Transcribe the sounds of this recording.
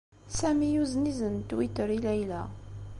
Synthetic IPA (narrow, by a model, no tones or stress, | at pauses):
sæmijuznizənt̪ːwit̪əɾilæjlæ̰